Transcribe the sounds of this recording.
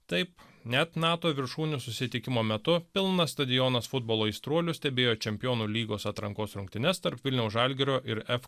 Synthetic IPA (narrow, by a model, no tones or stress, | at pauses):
t̪ɐɪpnʲɛt̪nɑːt̪oːʋʲɪɾʃuːnʲʊsʊsʲɪt̪ʲɪkʲɪmoːmʲɛt̪ʊpʲɪlˠnɐsst̪ɐd̪ʲɪjɔːnɐsfʊd̪boːlˠoːist̪ɾuɔlʲʊsʲt̪ʲɛbʲeːjoːt͡ʃʲɛmʲpʲɪjoːnuːlʲiːɡoːsɐt̪ɾɐŋkoːsɾʊŋk̚ʲt̪ʲɪnʲɛst̪ɐɾpʋʲɪlʲnʲɛʊsʒɑlʲɡʲɪɾʲoːʔɪɾɛf